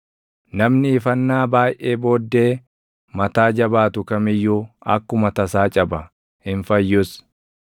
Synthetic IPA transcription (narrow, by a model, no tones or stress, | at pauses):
nɐmnɪːfɐnːaːbaːjʔeːbo̞ːd̪ːe̞ː | mɐt̪aːd͡ʒɐbaːt̪ʊkɐmɪjːuːɐ̰kːʊmɐt̪ɐsaːt͡ʃʼɐbɐ | hɪɱfɐjːʊs